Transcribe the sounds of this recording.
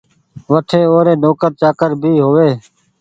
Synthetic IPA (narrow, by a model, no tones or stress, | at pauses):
ʋəʈʰeːoːɾeːnoːkəɾt͡ʃaːkəɾbʱiːɦoːʋeː